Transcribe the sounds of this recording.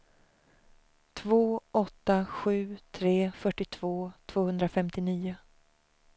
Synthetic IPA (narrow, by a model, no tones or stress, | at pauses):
t̪ʰvoːʔɔt̪ːaɧʉ̟ːt̪ʰɾeːfœʈːɪt̪ʰv̥oːt̪ʰv̥oːhɵnd̪ɾafɛmt̪ɪniːʊ